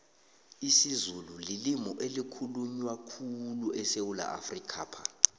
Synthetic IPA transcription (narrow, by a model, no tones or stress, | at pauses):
isizululilimɔʔelikʰuluɲwakʰuluʔɛsewula̰ʔa̰frikʰaːpʰa